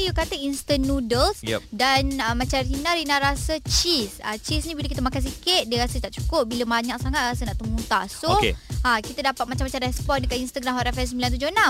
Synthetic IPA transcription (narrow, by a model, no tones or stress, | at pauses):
jukat̪əinst̪ənːudəlsdanəmat͡ʃaɾinãɾinaɾasət͡ʃisa̰t͡ʃisɲĩbiləkit̪əmakans̬ikɪt̪̚diəɾasət̪aʔt͡ʃu̥kʊp̚biləbaɲak̚saŋat̪̚ɾasənaʔt̪əmut̪asoḛakit̪ədapat̪̚mat͡ʃamat͡ʃamrɛspɔndəkat̪inst̪əɡɾamɦɔɾɛfɛsəmbilant̪ud͡ʒonã